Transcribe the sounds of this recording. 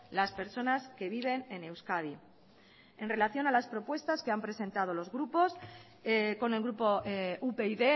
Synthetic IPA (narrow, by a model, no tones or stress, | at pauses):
laspe̞ɾso̞naske̞βiβ̞e̞ne̞ne̞wskaði | e̞nre̞laθjo̞nalaspɾo̞pwe̞st̪aske̞ampɾe̞sẽ̞nt̪að̞o̞lo̞zɣɾupo̞s | ko̞ne̞lɣɾupoupeiðe̞